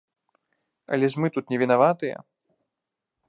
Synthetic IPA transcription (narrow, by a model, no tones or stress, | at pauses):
ɐ̰lʲɛzmɨt̪ut̪nʲɛvʲinavat̪ɨjɛ̰